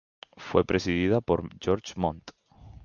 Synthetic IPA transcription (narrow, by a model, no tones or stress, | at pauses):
fwḛpɾesiðiðapoɾd͡ʒoɾt͡ʃmõnt̪